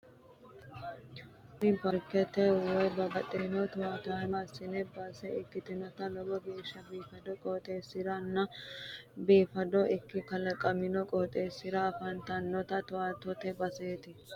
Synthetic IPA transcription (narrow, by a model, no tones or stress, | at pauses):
ɪbɐɾkɛt̪ːɛwɔjbɐbɐt̪ʼenɔt̪ʊwaːt̪ʊamɐsɪnɛbɐsɛɪkːɪt̪ɪnɔt̪ɐlɔɡɔbeːʃːɐbiːfɐd̪ɔkʼoːt̪ʼeːsːɪɾɐnːɐ | biːfɐd̪ɔʔɪkːɪkɐlɐkʼːɐmɪnɔkʼɔːt̪ʼeːsːɪɾɐːfɐnt̪ɐnːɔt̪ɐt̪ʊwaːt̪ɔt̪ɛbɐseːt̪ɪ